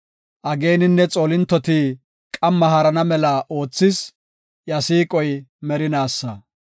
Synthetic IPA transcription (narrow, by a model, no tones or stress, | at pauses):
ʔɐɡe̞ːnɪnːɛt͡sʼoːlɪnt̪ːɔt̪i | kʼɐmːɐhɐɾɐnɐmɛlɐʔo̞ːt͡sːɪs | jɐsiːkʼɔjmɛɾɪnaːsːɐ